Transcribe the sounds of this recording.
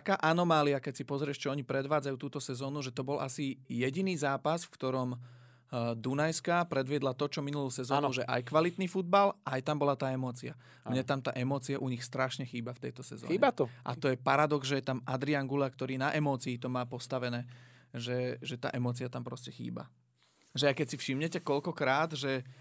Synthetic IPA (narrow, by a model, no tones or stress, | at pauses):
akaːʔanɔmaːliakɛcsipɔzɾɪɛʃt͡ʃɛɔɲipɾɛd̪ʋaːd͡zajuːt̪uːt̪ɔsɛzɔːnuʒɛt̪ɔbɔlʔa̰sijɛɟiniːzaːpasfkt̪ɔɾɔm | d̪unajskapɾɛd̪ʋɪɛd̪lat̪ɔt͡ʃɔminuluːsɛzɔːnuʒɛʔa̰jkʋalit̪niːfud̪̚balʔajt̪ambɔlat̪aːɛmɔːt͡sia | mɲɛt̪amt̪a̰ːʔɛmɔːt͡siaʔuɲixst̪ɾaʃɲɛxiːbaft̪ɛjt̪ɔsɛ̰zɔ̰ːɲɛɔʔa̰t̪ɔjɛpaɾad̪ɔɡzʒɛjɛt̪amʔad̪ɾiaŋɡulakt̪ɔɾiːnaʔɛmɔːt͡siːt̪ɔmaːpɔst̪aʋɛnɛː | ʒɛʒɛt̪a̰ːʔɛmɔːt͡siat̪ampɾɔscɛxḭːba̰ | ʒɛjakɛcsifʃimɲɛcɛkɔʎkɔkɾaːd̪ʒɛ